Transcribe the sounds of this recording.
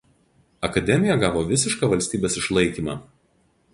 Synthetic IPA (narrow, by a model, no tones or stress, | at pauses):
ɐkɐd̪ʲɛmʲɪjɛɡɑːʋoːʋʲɪsʲɪʃkɑʋɐlʲsʲt̪ʲiːbʲeːsɪʃlˠɐɪkʲiːmɑ̰ː